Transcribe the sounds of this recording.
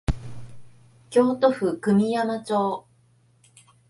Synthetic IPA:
kʲo̞ːt̪o̞ɸɯ̟kɯ̟mʲijamat͡ɕo̞ː

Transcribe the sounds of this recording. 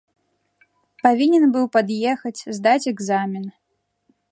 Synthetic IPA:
pavʲinʲɛnbɨwpad̪jɛxɐt͡sʲzd̪at͡sʲɛɡzamʲin

